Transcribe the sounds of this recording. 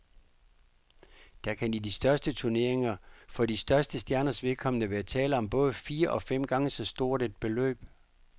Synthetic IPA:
d̥ækʰænd̥id̥isd̥ɶɐsd̥ət͡sʰuɐne̝ɐ̰e̝ŋɐfɒ̽disd̥ɶɐsd̥əsd̥jæɐnɐsʋe̝ðˠkʰɒ̽mənəʋæːɐt͡sʰɛːləɒ̽mb̥ɔ̽ːð̞ˠfiːɐʔɒ̽fem̰ɡ̥ɑ̈ŋəsɒ̽sd̥o̝ɐ̰d̥ed̥̚b̥e̝lø̰ːb̥

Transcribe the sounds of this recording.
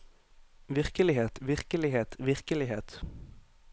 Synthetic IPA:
ʋɪʁkəlɪɦeːt̪ʋɪʁkəlɪheːt̪ʋɪʁkəlɪɦeːt̪

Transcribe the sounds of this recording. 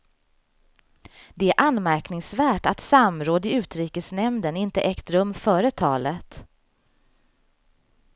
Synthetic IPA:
d̪ɛæɾʔanːmæɾknɪŋsvæːʈat̪samɾoːd̪ɪʉ̟ːt̪ɾiːkəsnɛmd̪ənɪnt̪əʔɛkt̪ɾɵmfœːɾət̪ʰɑːlət̪

